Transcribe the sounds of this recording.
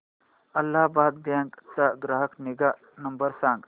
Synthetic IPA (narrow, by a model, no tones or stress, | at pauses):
ɐlːaːbaːd̪̚bjaːŋkt̪ɐɡɾɐɦəkniɡa | nɐmbəɾsãːŋɡ